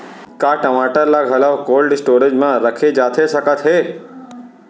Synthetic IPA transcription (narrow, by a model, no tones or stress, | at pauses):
kaʈəmaːʈəɾlaɡʱəlaʋkoːlɖsʈoːɾed͡ʒmãɾəkʰed͡ʒaːt̪ʰeʃəkət̪ɦe